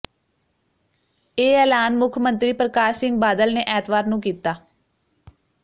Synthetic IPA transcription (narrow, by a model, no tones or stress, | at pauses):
eːɛːlaːnmʊkʰmə̃nt̪ɾiːpɾəkaːɾsɪŋɡ̚baːd̪əlneːʔɛːt̪ʋaːɾnũːkiːt̪aː